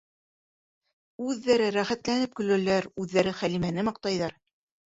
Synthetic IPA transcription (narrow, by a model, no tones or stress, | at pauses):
ʉðːæɾɘɾæχæt̪lænɘp̚kɵ̆læ̆læɾʉðːæɾɘχælimænɘmɑ̆q̚t̪ɑjðɑɾ